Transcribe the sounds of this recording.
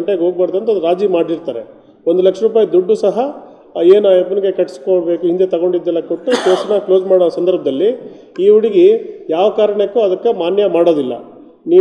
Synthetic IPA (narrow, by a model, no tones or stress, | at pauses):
ɳʈeɡoːɡ̚baːɾɐd̪ɐnt̪ɐd̪uɾaːd͡ʒiːmaːɖiɾt̪aːɾe̞ | ond̪ulɐkʂɐɾuːp̬aːjid̪uɖːusɐɦɐ | eːnaepːɐniɡekɐʈːskoɽbe̞ːkuɦind̪et̪ɐɡo̞ɳɖid̪ːɛlːɐkoʈːukeːsɐnɐklo̞ːzmaːɽosɐnd̪ɐɾbʱɐd̪ɐlːi | iːuɽiɡijaːʋɐkaːɾɐɳekːuɐd̪ɐkːemaːnjɐmaːɽo̞ːd̪ilːɐ̰ | niː